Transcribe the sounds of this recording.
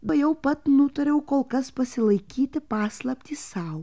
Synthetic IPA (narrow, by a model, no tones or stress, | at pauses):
bɐjɛʊpɐt̪nʊt̪oɾʲɛʊkoːlˠkɐspɐsʲɪlˠɐɪkʲiːt̪ʲɪpɑːslˠɐpʲt̪ʲiːssɑʊ